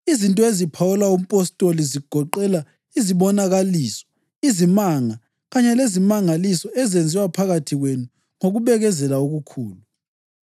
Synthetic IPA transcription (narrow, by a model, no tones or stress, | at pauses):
izintʼɔezipʰawulaum̩pʼɔstʼoliziɡ̥ʱɔǃɛla | iziβɔnaɣaliːsɔ̥ | izimaŋa | ɣaɲɛlezimaŋalisɔɛzend͡zʱiwapʰaɣatʰiɣwenu | ŋoɣuβɛɣɛzɛlauɣukʰuːlu